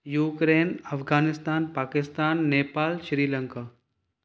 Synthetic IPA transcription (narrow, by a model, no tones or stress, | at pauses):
juːkɾeːnɐfɡaːnɪst̪aːnpaːkɪst̪aːnːeːpaːlʃɾiːlɐŋkaː